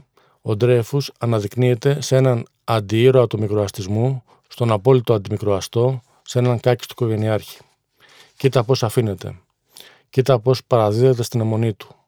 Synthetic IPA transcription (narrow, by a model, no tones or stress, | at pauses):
o̞d̪ɾe̞fusɐnɐðikniet̪e̞se̞nɐn | ɐnd̪iiɾo̞ɐt̪omikɾoɐst̪izmu | st̪o̞nɐpo̞lit̪o̞ɐnd̪imikɾoɐst̪o̞ | senɐŋkɐci̥st̪o̥koʝe̞niɐɾçi̥ | cit̪ɐpo̞sɐfine̞t̪e̞̰ | cit̪ɐpo̞spɐɾɐðiðe̞t̪e̞st̪ine̞mo̞nit̪u̥